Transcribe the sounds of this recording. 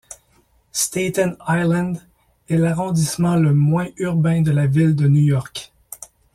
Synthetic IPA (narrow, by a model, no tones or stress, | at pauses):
st̪et̪ɛ̃najlɛ̃nd̪ | ɛlaʁɔ̃d̪ismɑ̃ləmwɛ̃yʁbɛ̃d̪əlavild̪ənujɔʁk